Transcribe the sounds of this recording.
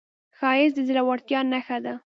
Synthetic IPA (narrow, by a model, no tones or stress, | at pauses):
xɑjɪsd̪əzɪlawaɽt̪jɑnaxad̪a